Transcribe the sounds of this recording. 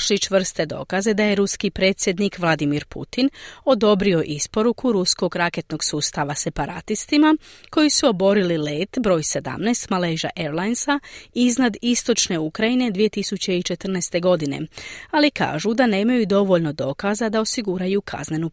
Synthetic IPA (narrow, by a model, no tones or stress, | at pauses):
ʃlit͡ʃʋr̩st̪e̞d̪o̞̰ːkaze̞d̪aje̞ɾuskipɾe̞ːt̪sʲje̞d̪nikʋlˠad̪imiɾpṵt̪ino̞d̪o̞bɾio̞ʔispo̞ɾukʰuɾusko̞ɡɾake̞t̪no̞ɡsuːst̪aʋase̞paɾa̰t̪ist̪imako̞jisuo̞bo̞ɾilile̞ːt̪bɾo̞ːjse̞d̪a̰mnɛst̪malejʒa̰ʔe̞ɾlajnsaiznad̪ist̪o̞t͡ʃne̞ukɾajine̞d̪ʋije̞t̪isut͡ɕe̞it͡ʃe̞t̪r̩nɛst̪e̞ɡo̞d̪ine̞̰alika̰ːʒud̪ane̞ːmajud̪o̞ʋo̞ʎno̞d̪o̞ːkazad̪ao̞siɡuɾajukʰa̰zne̞nu